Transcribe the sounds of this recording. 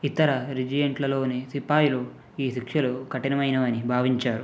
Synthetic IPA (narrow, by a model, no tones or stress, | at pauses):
it̪ɐɾɐɾid͡ʒijɐɳʈlɐlo̞ːnesipaːjulu | iːʃikʂɐlukɐʈinɐmɐjnɐʋɐnibʱaːʋiɲt͡ʃaːɾu